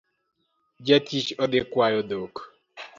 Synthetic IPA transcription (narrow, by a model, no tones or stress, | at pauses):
d͡ʒɛtit͡ʃɔdekwajɔd̪ok